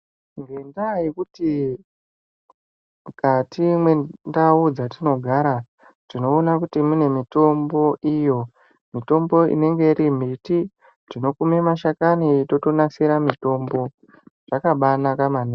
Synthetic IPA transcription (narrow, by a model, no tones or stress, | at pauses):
ŋɡendajekuti | katimwe̞ndaud͡zatino̞ɡʱaɾa | tino̞ːnakutimune̞mito̞mbo̞ʔijo̞ | mito̞mbo̞ḭne̞ŋɡe̞iɾim̤iti | tino̞kumemaʃakanito̞to̞naseɾamito̞mbo̞ | ʐ̥akaɓanakamane